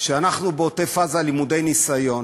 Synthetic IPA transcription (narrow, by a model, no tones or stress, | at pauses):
ʃeanaχnubeotefazalimude̞jnisajo̞n